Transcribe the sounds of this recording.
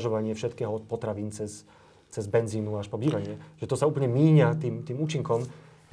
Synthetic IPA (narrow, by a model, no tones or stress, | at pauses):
ʒɔʋaɲɪɛfʃɛt̪kɛːɦɔpɔt̪ɾaʋiːnt͡sɛs | t͡sɛzbɛnziːnuaʃpɔbiːʋaɲɪɛʒ̥ɛt̪ɔsauːpəɲɛmiːɲat̪iːmt̪iːmuːt͡ʃiŋkɔm